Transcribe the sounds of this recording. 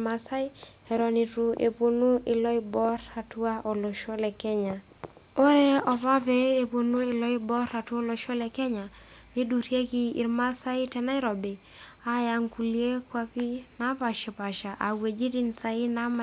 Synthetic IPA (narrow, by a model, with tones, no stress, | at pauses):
ma˨sa˦i˦ɛ˨ɾɔ˨ni˨tu˨ḛ˨po˨nu˦ɪ˨lɔ˦i˦bɔ˦ɾa˨tu˦a˦ʔo˨lo˨ʃo˦lɛ˨kɛ˦ɲa˨ | o˦ɾe˦ɔ˨pa˦peː˦˨po˨nu˦i˨lɔ˦i˦bɔ˦ɾa˨tu˦o˦lo˨ʃɔ˦lɛ˨kɛ˦ɲa˨ | ɡe˦du˨ɾje˦kiː˨ɾma˦sa˦i˦tɛ˨na˦i˦ɾɔ˨be˨ | a˨ja˨ŋku˨lie˦kwa˦pi˦na˨˦pa˨ʃe˨pa˨ʃa˨ʔa˨we˨d͡ʒi˦ti˦nsa˨i˦na˦ma˨